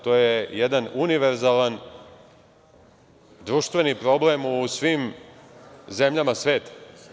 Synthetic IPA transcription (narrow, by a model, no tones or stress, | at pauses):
t̪o̞ːjejed̪anuniʋe̞ɾzaːlan | d̪ɾuːʃt̪ʋe̞nipɾo̞ble̞musʋim | ze̞mʎamasʋe̞ːt̪ḁ